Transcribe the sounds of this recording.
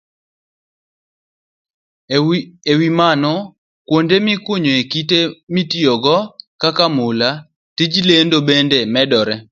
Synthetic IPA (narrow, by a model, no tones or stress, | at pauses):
ewimanɔ | kwondemɪkwoɲoekitemitijoɡɔkakamʊla | tid͡ʒilendobendemɛdɔɾɛ